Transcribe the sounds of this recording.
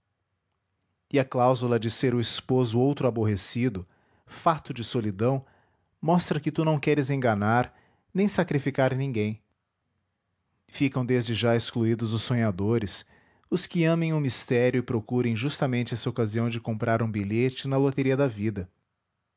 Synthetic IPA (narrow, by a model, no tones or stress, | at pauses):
ɪɐklawzulɐd͡ʒɪseɾʊispozʊowt̪ɾʊaboɦesid̪ʊ | fat̪ʊd͡ʒɪsolid̪ɐ̃w̃ | mɔst̪ɾɐkɪt̪unɐ̃w̃kɛɾɪzẽŋɡɐnaɾ | nẽj̃sakɾifikaɾnĩɡẽj̃ | fikɐ̃w̃d̪ezd͡ʒɪʒaeskluid̪ʊzʊssːõɲad̪oɾɪs | ʊskɪɐ̃mẽj̃ʊ̃mist̪ɛɾjʊɪpɾokuɾẽj̃ʒust̪ɐmẽnt͡ʃɪɛsɐokaziɐ̃w̃d͡ʒɪkõpɾaɾũbiʎet͡ʃɪnɐlot̪eɾiɐd̪ɐvid̪ɐ